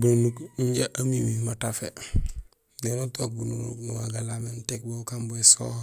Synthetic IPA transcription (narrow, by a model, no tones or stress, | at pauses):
bununukiɲɟaʔamimimatafe | denotok̚bunuṵknuwaɡalamentek̚bokamboeso̰